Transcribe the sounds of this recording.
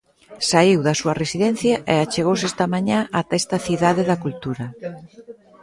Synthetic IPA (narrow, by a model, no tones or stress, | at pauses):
saiwðɐsuɐresiðen̟θjɐʔeat͡ʃeɣowsest̪ɐmaɲãʔat̪est̪ɐθiðaðeðɐkult̪uɾɐ